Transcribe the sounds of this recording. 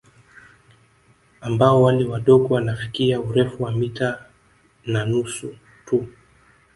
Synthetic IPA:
ambaɔwalɛwaɗɔɡɔwanafi̥kiauɾɛfuwamita | nanusu | tʰu

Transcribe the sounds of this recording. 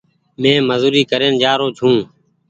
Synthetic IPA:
mẽːməzuːɾiːkəɾeːnd͡ʒaːɾoːt͡ʃʰũː

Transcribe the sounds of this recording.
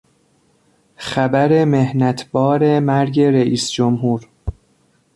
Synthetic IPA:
xæbæɾe̞mehnæt̪ʰbɒːɾe̞mæɾɟe̞ɾeʔiːsd͡ʒomɦuːɾ

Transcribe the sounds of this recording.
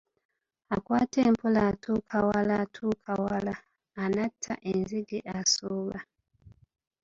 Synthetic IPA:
akwatɛmpolatʰukʰawalatʰukʰawalaː | natʰa̰ʔenziɡiʔasuβa

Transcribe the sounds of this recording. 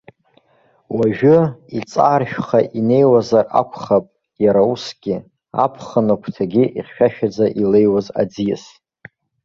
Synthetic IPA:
waʒᶣʊit͡sʼaːrʃᶣχaʔine̞jwazarʔa̰kʷʰχapʼ | jaɾausɡʲɪ | a̰pʰχənɨkʷʰtʰaɡʲiʔiχʲʃᶣaʃᶣad͡zaʔile̞jwaza̰d͡zija̰s

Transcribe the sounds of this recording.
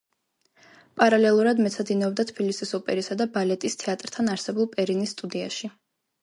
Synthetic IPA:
pʼaɾalɛlˠuɾad̪mɛt̪sʰad̪inɔbd̪at̪ʰbilisisɔpʼɛɾisad̪abalɛt̪ʼist̪ʰɛat̪ʼɾt̪ʰanaɾsɛbulˠpʼɛɾinisːt̪ʼud̪ia̰ʃi

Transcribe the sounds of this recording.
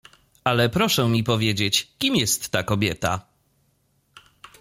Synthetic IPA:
alɛpɾɔʂɛmʲipɔvʲjed͡ʑet͡ɕkʲimjɛst̪ːakɔbʲjɛt̪a̰

